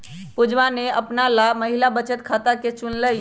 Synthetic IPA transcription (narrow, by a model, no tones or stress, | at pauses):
pud͡ʒʋaneəpnalaməɦilabət͡ʃət̪kʰat̪aket͡ʃunləj